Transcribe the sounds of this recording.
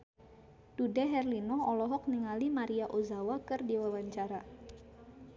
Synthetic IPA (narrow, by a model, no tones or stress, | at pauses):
dudɛɦɛrlinɔɔlɔɦɔk̚niŋalimaɾiaʔozawakɨrdiwawaɲt͡ʃaɾa